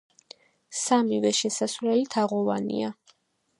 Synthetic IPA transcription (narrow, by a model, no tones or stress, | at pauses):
samivɛʃɛsasvlɛlit̪ʰaʁɔvanḭa